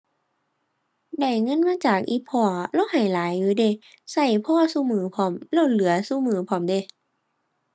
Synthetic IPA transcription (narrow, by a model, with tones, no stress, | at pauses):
da˧˩jŋɤ˧˥˨nmaː˧˥˨t͡ɕaː˨˩k̚ʔiː˧˦pʰɔː˧˩lɔ˧˥˨wha˨˩jlaː˨˦jːuː˧˦de˧˨ | sa˧˩jpʰɔː˧˨suː˧˨mɯː˨˦pʰɔ˧˦mlɛ˧˩wlɯ˨˦ɐsuː˧˨mɯː˨˦pʰɔː˧˦mde˧˦